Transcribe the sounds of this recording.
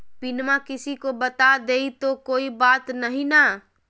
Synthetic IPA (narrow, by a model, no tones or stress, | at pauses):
pɪnmakɪsikobɐt̪ad̪eːit̪okoːibaːt̪nɐɦĩna